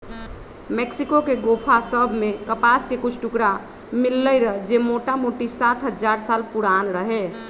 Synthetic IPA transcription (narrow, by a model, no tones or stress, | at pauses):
meksikokeɡopʰasəbʱmekəpaskekut͡ʃʰʈukɾa | milːəjɾəɦd͡ʒemoʈamoʈisat̪ʰɦəd͡ʒaɾsalpuɾanɾəɦe